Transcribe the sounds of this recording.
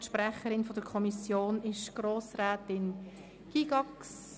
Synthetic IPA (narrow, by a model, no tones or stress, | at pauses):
ʃpɾɛχəɾɪnfɔd̥əɾkʰɔmisjoːnɪʃɡ̥ɾoːsɾɛːt̪ɪn | ɡ̥iɡ̥ɑks